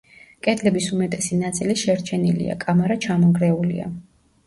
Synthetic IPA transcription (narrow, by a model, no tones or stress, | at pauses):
kʼɛd̪lɛbisumɛt̪ʼɛsinat̪sʼiliʃɛɾt͡ʃʰɛnilḭa̰kʼamaɾat͡ʃʰamɔɡɾɛulḭa̰